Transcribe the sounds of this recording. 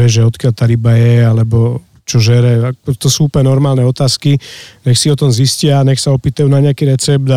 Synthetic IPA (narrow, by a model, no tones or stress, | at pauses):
ɛʒɛɔt̪kɪalt̪aːɾibajɛalɛbɔ | t͡ʃɔʒɛɾɛat̪ɔsuːupəɛnɔɾmaːlnɛɔt̪aːskiɲɛxsiɔt̪ɔmziscɪaɲɛxsaɔpiːt̪ajunaɲɪakiɾɛt͡sɛb̚d̪a